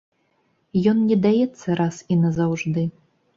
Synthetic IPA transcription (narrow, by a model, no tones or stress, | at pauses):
jɔnnʲɛd̪ajɛt̪sːɐɾʔasinɐzawʐd̪ɨ